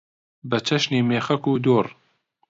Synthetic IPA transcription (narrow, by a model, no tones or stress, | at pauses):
bət͡ʃʰɐʃniːmeːxɐkuːd̪oːr